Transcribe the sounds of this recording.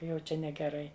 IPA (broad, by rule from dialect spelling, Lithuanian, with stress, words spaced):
ˈjɛʊ ˈt͡ʃʲɛ nʲɛɡʲɛˈrɐɪ